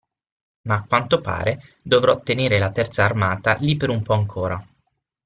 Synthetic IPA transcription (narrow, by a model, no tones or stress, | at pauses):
maːkwant̪opa̰ːɾe | d̪ovɾɔt̪ːeneːɾelat̪ɛrt̪saːrmaːt̪alipːeɾumpɔaŋkʰoːɾa